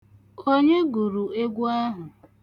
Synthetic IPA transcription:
o˦ɲe˦ɡu˨ɾu˨e˦ɡʷu˦a˦ɦʊ˨

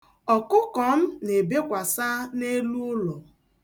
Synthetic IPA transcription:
ɔ˨kʊ˦kɔ˨m̩˦ne˨be˦kʷa˨sa˦ne˦lu˦ʊ˦lɔ˨

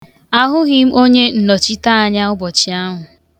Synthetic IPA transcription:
a˦ɦʊ˦ɣi˦m̩˦o˦ɲe˦n̩˨nɔ˨t͡ʃi˦ta˦a˨ɲa˦ʊ˦bɔ˨t͡ʃi˨a˦ɦʊ˨

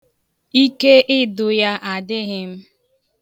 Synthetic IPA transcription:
i˦ke˦ʔɪ˦dʊ˨ja˦ʔa˨dɪ˦ɣɪ˦m̩˦

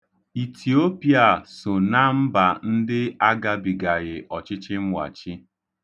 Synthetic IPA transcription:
i˨tʰi˨o˦pja˨sʊ˨na˦m̩˦ba˨n̩˦dɪ˦a˦ɡa˦bi˨ɡa˨ɣɪ˨ʔɔ˨t͡ʃɪ˦t͡ʃɪ˦m̩˦wʷa̰˨t͡ʃɪ˦

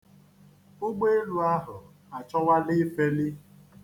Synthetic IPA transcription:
ʊ˦ɡ͡be˦e˦lu˦a˦ɦʊ˨ | a˨t͡ʃɔ˦wa˦lɪ˦fe˦li˦

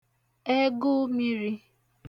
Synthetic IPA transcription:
e˦ɡʊ˦mi˦ɾi˦

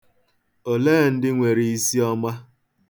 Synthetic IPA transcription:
o˨leː˦˨n̩˦dɪ˦ŋʷe˨ɾi˨i˦si˦ɔ˦ma˦

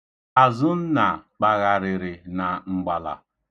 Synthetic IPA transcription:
a˨zʊ˦n̩˦na˨k͡pa˨ɣa˨ɾɪ˨ɾɪ˨na˨ŋ͡m̩˨ɡ͡ba˨la̰˨

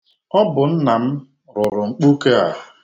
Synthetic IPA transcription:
ɔ˦bʊ˨n̩˦na˨m̩˦ | ɾʊ˨ɾʊ˨ŋ͡m̩˨k͡pu˦ke˦a̰˨ɦʊ˨

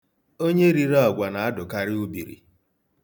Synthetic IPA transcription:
o˦ɲe˦ɾi˨ɾa˦ɔ˨ɡʷa˨na˨a˦dʊ˨ka˦ɾɪ˦u˦bḭ˨ɾḭ˨

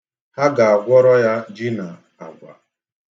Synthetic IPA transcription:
ha˦ɡa˨a˨ɡʷɔ˦ɾɔ˦ja˦d͡ʒi˦na˨ | a̰˨ɡʷa̰˨

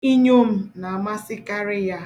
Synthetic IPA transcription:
i˦ɲo˦m̩˦na˨a˨ma˦sɪ˦ka˦ɾɪ˦ja˦

